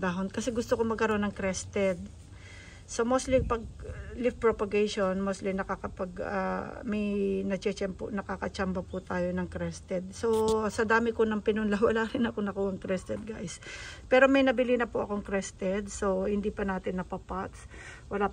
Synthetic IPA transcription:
d̪aɦonkɐsɛɡʊst̪okomɐɡkɐɾo̞nɐŋkɾɛst̪ɛd̪̚ | somost̪lipɐɡ̚lɪfpɹopɐɡejʃonmost̪linɐkakɐpɐɡɐ̰mɐjnɐt͡ʃɛt͡ʃɐmpʊ̰nɐkakɐt͡ʃambɐpʊt̪aːjo̞nɐŋkɾɛst̪ɛd̪̚so̞sɐd̪aːmɪkonɐŋpɪnʊnlawɐlaɾɪnɐkonɐkuhɐŋkɾɛst̪ɛd̪̚ɡajspɛːɾo̞mɐjnɐbɪlinɐpʊʔɐ̰ko̞ŋkɾɛst̪ɛd̪̚so̞hɪnd̪ipɐnaːt̪ɪnːɐpɐpat̪s | wɐlaː

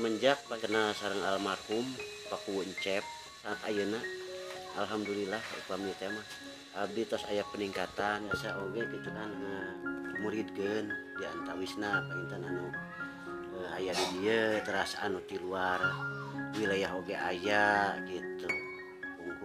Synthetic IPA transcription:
məɲd͡ʒak̚pakənasaɾəŋalmarhum | pakuwuɲt͡ʃɛp̚ | saat̪ajəna | alɦamdulilahkaṵpamiət̪amah | ab̚dit̪ɔsajapəniŋkat̪anjasaʔoɡɛkit̪ukanŋəkumuɾit̪̚kəndiaant̪awisnapəint̪ananu | əajaʔdidiət̪əɾasaʔanut̪iluarwilajaɦoɡɛajaɡit̪u | kuŋku

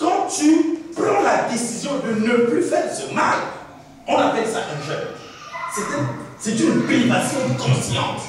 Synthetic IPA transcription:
kɑ̃t̪ypʁɑ̃lad̪esizjɔ̃d̪ənəplyfɛʁsəma̰l | ɔ̃napɛlsa̰ʔɛ̃ʒɛn | sɛt̪ɛ̃sɛt̪ynpeivasjɔ̃d̪əkɔ̃sjɑ̰̃t

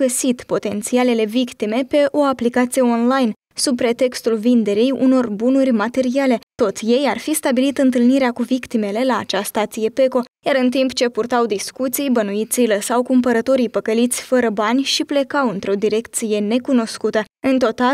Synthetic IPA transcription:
əsit̪po̞t̪e̞nt̪siale̞le̞vikt̪ime̞pe̞ʔo̞aplikat̪sije̞o̞nlajn | sub̚pɾe̞t̪e̞kst̪ulvind̪e̞ɾijṵno̞rbunurʲmat̪e̞ɾiale̞t̪o̞t̪sʲje̞jarfist̪abilit̪ɨnt̪ɨlniɾeakuvikt̪ime̞le̞laːt͡ʃast̪at̪sije̞pe̞ko̞jaɾɨnt̪impt͡ʃe̞purt̪awd̪iskut̪sijbənuit̪sijləsawkumpəɾət̪o̞ɾijpəkəlit̪sʲfəɾəbanʲʃiple̞kawɨnt̪ɾo̞d̪iɾe̞kt̪sije̞ne̞kuno̞skut̪ə | ɨnt̪o̞t̪a

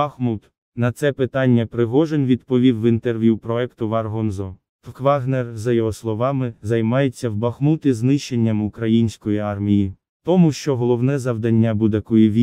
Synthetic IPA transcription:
ɐxmut̪ | nɐt̪sɛpɪt̪ɑnʲːɐpɾɪɦɔʒenʋʲid̪pɔʋʲiwːɪnt̪erʋʲjupɾɔɛkt̪ʊʋɑrɦɔnzɔ | t̪kʋɑɣnɛrzɐjɔɦɔslˠɔʋɑmɪzɐjmɑjet͡sʲːɐwbɐxmut̪ɪznɪʃt͡ʃːenʲːɐmʊkɾɐjinʲsʲkɔjiɑrmʲiji | t̪ɔmuʃt͡ʃɔɦɔlˠɔwnɛzɐwd̪ɐnʲːabud̪ɐkɔjiʋʲi

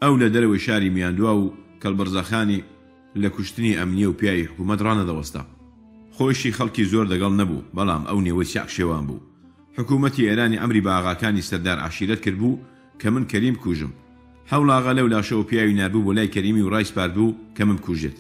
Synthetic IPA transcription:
ʔɐwlɐd̪ɐɾɐwɐjʃaːɾiːmijaːnd̪waːwukʰɐlbɨrzaxaːni | lɐkʊʃt̪ɨniːʔɐmnijɛwpijaːwiħʊkuːmɐt̪rɑːnɐd̪ɐwɐst̪ɐ̰ | xoːjʃiːxɐlˠkiːzoːɾlɐɡɐlˠnɐbṵːbɐlˠɑ̰ːmʔɐ̰wneːwɐjsa̰ːkʃeːwaːnbṵː | ħʊkuːmɐt̪ieːɾaːniʕa̰mɾiːbaːɣaːkaːnisɐɾd̪aːɾʕa̰ʃiɾɐt̪̚kɨɾd̪̚buː | kʰɐmɨnkʰɐɾiːmbɨkʰuʒɨ̰m | ħɐwlˠɑːɣɐlɐwlaːʃɐwɐpijaːwinaːɾbuːboːlaːjkʰɐɾiːmiwrɑːjsɨ̥paːɾd̪̚buːkʰɐmɨnbkʰuʒet̪

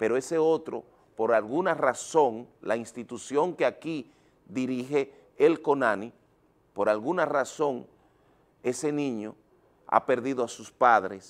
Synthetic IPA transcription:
pe̞ɾoe̞se̞o̞t̪ɾo̞̰ | po̞ɾalɣunaraso̞ŋla̰inst̪it̪usjo̞ŋkeaki | ðiɾihe̞ː | lko̞nani | po̞ɾalɣunaraso̞ŋ | e̞se̞nĩɲo̞ | a̰pe̞ɾðiðoasuspaðɾes

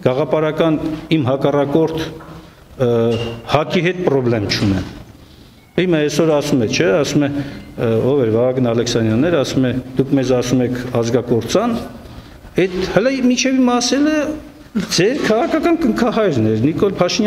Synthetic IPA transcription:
ɡ̥ɑʁɑpɑɾɑkɑnimɦɑkɑrɑkɔɾt̪ʰ | hɑkiɦɛt̪̚pɾɔblɛmt͡ʃʰunɛ̰n | himɑɛsɔɾɑsumɛt͡ʃʰɛɑsumɛ | ɔvɛɾvɑɑɡnɑlɛksɑnjɑnːɛɾɑsumɛd̪̥ukʰmɛzɑsumɛkʰɑzɡɑkɔɾt͡sɑn | ɛt̪həlɛmit͡ʃʰɛvimɑsɛlə | d͡zɛɾkʰɑʁɑkʰɑkɑnkəŋkʰɑɦɑjɾnɛɾnikɔlpʰɑʃinj

